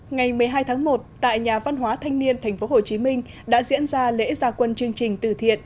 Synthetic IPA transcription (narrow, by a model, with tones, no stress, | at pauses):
ŋa˨˩jmɨ˨˩əjɦaː˧jt̪ʰaː˨˦ŋmo˨˩t̚t̪a̰ː˧˨jɲaː˨˩va˧nɦwaː˨˦t̪ʰa˧ŋni˧ənt̪ʰɛ˨˩jŋ̟fo˨˦ɦo˨˩t͡ɕi˨˦mï˧ŋ̟ | ɗa̰ː˧˥zḭ˧˥ənzaː˧lḛ˧˥zaː˧˩kwə˧nt͡ɕɨ˧əŋt͡ɕï˨˩ŋ̟t̪ɨ˧˩t̪ʰḭ˧˨ənʔ